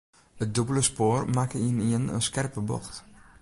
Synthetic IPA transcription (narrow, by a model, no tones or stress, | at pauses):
ət̚dobələspoːrmaːkəiniənə̰nskɛrpəbɔ̰xt